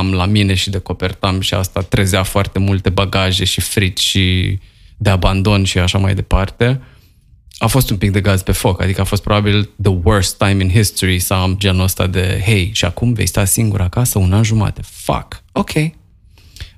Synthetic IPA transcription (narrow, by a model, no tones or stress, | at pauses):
amlamine̞ʃid̪e̞ko̞pe̞rt̪amʃia̰st̪at̪ɾezafoart̪e̞mult̪e̞baɡaʒe̞ʃifɾit̪ʲʃi | d̪e̞aband̪o̞nʃiaʃamajd̪e̞part̪e̞ | afo̞st̪umpik̚d̪e̞ɡazpe̞fo̞ka̰d̪ikəafo̞st̪pɾo̞babild̪əwɜɹst̪ːajminɦist̪oɾisawamd͡ʒenəst̪a̰d̪e̞ɦejʃiakumve̞jst̪asiŋɡuɾakasəunanʒuma̰t̪efa̰ko̞kʲʰe̞j